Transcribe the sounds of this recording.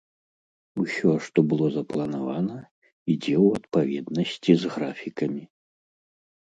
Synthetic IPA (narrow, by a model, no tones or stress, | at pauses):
usʲɔʂt̪ɔbɨlˠɔzɐplˠɐnavanɐ | id͡zʲɛwɐt̪pavʲɛd̪nɐsʲt͡sʲizɣɾafʲikɐmʲi